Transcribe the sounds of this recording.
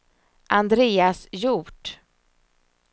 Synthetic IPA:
ʔand̪ɾeːasjuːʈ

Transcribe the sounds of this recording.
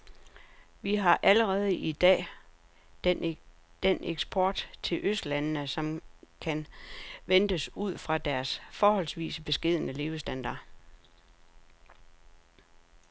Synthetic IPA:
ʋiɦɑ̈ʔæləʁɛːð̞ˠəʔid̥ɛ̰ː | d̥enʔeɡ̥sb̥ʰɒːd̥t͡sʰe̝lʔøsd̥lænnəsɒ̽mkʰænʋend̥əsuð̰ˠfʁɑ̈d̥æɐsfɒːɦɒ̽l̰sʋḭːsəb̥e̝sɡ̥e̝ð̞̰ˠənəle̝ʊəsd̥ænd̥ɑ̰̈ː

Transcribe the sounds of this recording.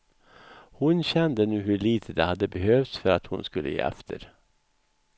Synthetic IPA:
hʊnɕɛnd̪ənʉ̟ːɦɵɭiːt̪ʰəd̪ɛhad̪ːəbɛɦøːft̪sfœɾat̪hʊnskɵlːʔə̰jḛːʔɛ̰ft̪ʰə̰ɾ

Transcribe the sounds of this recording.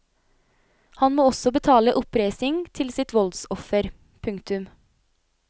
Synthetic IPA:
hɑnmoːɔsɔbət̪ʰɑːləʔɔpɾæɪsɪŋt̪ʰɪlsɪt̪ʋɔld̪sɔfəɾ | pʰʉŋkt̪ʉm

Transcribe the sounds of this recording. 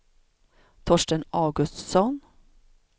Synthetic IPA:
t̪ʰɔʃʈənɑʉɡʉst̪sɔn

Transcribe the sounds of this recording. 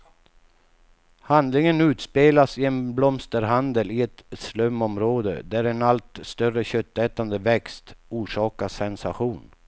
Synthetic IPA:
hand̪lɪŋənʉ̟ːt̪speːlasɪɛnblɔmst̪əɾɦand̪əlɪɛt̪slœmːɔmɾoːd̪ə̰d̪æɾɛnalt̪st̪œrəɕœt̪ːɛːt̪and̪əvɛkst̪uːʂɑːkasɛnsaɧuːn

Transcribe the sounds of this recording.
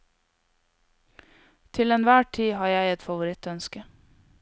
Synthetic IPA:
t̪ʰɪlɛnʋæːʈʰiːhɑːjæɪɛt̪fɑʋʊɾɪt̪œnskə

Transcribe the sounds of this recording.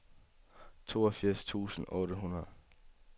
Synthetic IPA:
t͡sʰo̝̰ːɐfiɐ̰st͡sʰṵːsn̩ʔɔ̽ːɾəɦunɐð̩ˠ

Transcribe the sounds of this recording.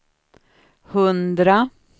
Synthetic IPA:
hɵnd̪ɾa

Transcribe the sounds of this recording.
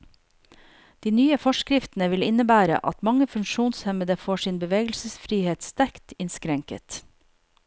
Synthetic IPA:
d̪̥iːnyːəfɔʃkɾɪft̪nəʋɪlɪnəbæːɾə̰ʔɑt̪mɑŋəfʉŋʃuːnshɛməd̪əfoːʃiːnbəʋeːɡəl̩səsfɾiːheːt̪st̪æɾkt̪ɪnskɾɛŋkə̰t̪

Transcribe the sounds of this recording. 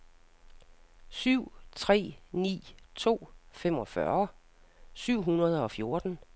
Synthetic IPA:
syʊ̰t͡sʰʁɛ̰ːnḭːt͡sʰo̝̰ːfem̰ɒ̽fɶɐ | syʊ̰ɦunɐð̞ˠɒ̽fjo̝ɐd̥n̩

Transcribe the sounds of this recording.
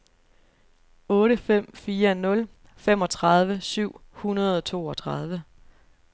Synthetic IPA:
ɔ̽ːɾəfem̰fiːɐnɔ̽l | fem̰ɒ̽t͡sʰʁɑð̞ˠʋəsyʊ̰hunɐð̞ˠɒ̽t͡sʰo̝ːɒ̽t͡sʰʁɑð̞ˠʋə

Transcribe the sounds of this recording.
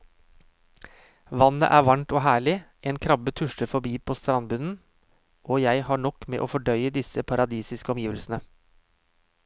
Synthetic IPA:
ʋɑnə̰ʔæːʋɑɳʈoːɦæːɭɪʔeːnkʰɾɑbət̪ʰʉʃʈəfɔbiːpʰoːst̪ɾɑnbʉnn̩ | ʔoːjæɪhɑːɳɔkmḛːʔoːfɔɖœʏəd̪ɪsəpʰɑɾɑd̪iːsɪskəɔmjiːʋəlsn̩ə

